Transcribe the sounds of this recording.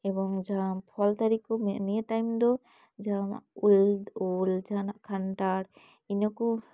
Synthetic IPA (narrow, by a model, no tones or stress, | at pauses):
ɛbɔŋd͡ʒampʰɔlt̪aɾikɔmɛnieʈajmd̪ɔ | d͡ʒama̰ululd͡ʒanaʔkʰaɳʈaɽ | inɔku